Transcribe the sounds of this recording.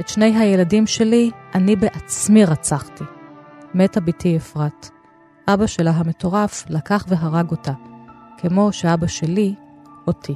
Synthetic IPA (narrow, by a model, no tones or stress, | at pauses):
ʔetʃne̞jɦaje̞ladimʃe̞liʔanibeʔat͡smiʁat͡saχtime̞tabitiefʁat | ʔabaʃelaɦame̞to̞ʁaflakaχve̞ɦaʁaɡo̞takʰemo̞ʃeabaʃe̞lio̞tʰi